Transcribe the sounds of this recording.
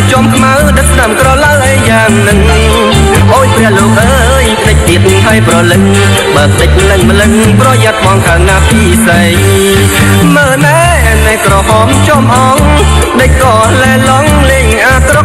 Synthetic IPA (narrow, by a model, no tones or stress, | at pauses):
t͡ɕŏəmkʰmawɗək̚sʰɗamkrɑlawʔəjaːŋnɨŋ | ʔoːj̚pʰɾɛəhloːk̚ʔəː | jpʰt̪əc̚t̪iət̪̚mŋɦaəjprɑlɨt̪̚ | ɓaːp̚ʰɗ̪əc̚mlɨŋmlɨŋ | prɑjaət̪̚ɓɑŋkaənːaːpiːsa | ŋ | məːnaː | nakrɑɓɑmt͡ɕomʔɑŋ | ɗəc̚kɑː | laɛlɔŋleːŋʔaːk̪ro